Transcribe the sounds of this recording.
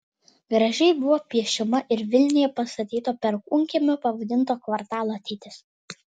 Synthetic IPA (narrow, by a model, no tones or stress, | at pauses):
ɡɾɐʒʲɛɪbʊʋoːpʲiɛʃʲɪmɐʔɪɾʋʲɪlʲnʲɪjɛpɐst̪ɐt̪ʲiːt̪oːpʲɛɾkʊŋʲkʲɪmʲʊpɐʋɐd̪ʲɪnt̪oːkʋɐɾt̪ɑːlˠoːɐt̪ʲɛɪt̪ʲɪs